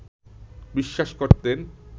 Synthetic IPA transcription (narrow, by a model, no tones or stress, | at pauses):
biʃːaʃkoɾt̪en